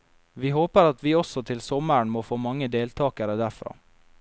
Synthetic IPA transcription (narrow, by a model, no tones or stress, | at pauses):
ʋiːhoːpəɾɑt̪ʋiːɔsɔt̪ʰɪlsɔməɾɳmoːfoːmɑŋːəd̪eːlt̪ʰɑːkəɾəd̪æɾfɾɑ̰ː